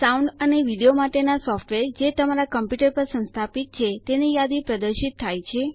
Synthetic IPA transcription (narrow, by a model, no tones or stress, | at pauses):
sauɳɖəneʋiɽijomaʈenasɔfʈʋeɾd͡ʒet̪əmaɾakəmpjuʈəɾpəɾsə̃nst̪ʰapit̪̚t͡ʃʰet̪enijad̪ipɾəd̪əɾʃit̪ʰːajt͡ʃʰe